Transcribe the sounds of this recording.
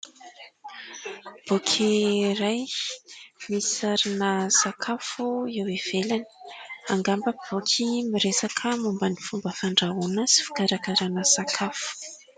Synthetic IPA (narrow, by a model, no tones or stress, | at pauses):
b̥okʲʰiɾaj | misaɾinəsakʰafuewev̥elani̥aŋɡambəb̥okʲʰimiɾesakʰəmumbanifumbəfaɳɖ͡ʐaunəsi̥fu̥kaɾakaɾanəsakʰafu̥